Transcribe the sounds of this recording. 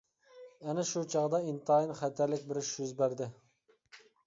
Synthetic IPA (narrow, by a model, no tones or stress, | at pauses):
ɛnɛʃut͡ʃʰɑʁd̪ɑint̪ʰɑːjinχæt̪ʰæɾlɪkʲbɪɾʃyzbæɾd̪ɪ